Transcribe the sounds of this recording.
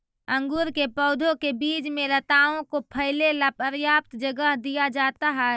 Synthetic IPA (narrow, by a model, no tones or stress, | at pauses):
ə̃ŋɡuːɾkepɔʊd̪ʱõkebiːd͡ʒmẽlət̪aːõkopʰəɪlelapəɾjaːp̚t̪d͡ʒəɡəɦd̪ijad͡ʒaːt̪aɦɛː